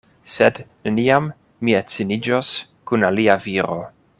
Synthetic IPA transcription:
sedneniamː | iet͡sinid͡ʒos | kunaliaviɾo̞

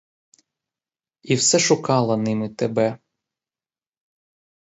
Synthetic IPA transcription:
iwsɛʃʊkɑlˠɐnɪmɪt̪ebɛ

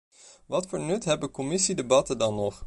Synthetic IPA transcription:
ʋɑtfʊːɹnɵtɦɛbəkɔmɪsidebɑtədɑnːɔχ

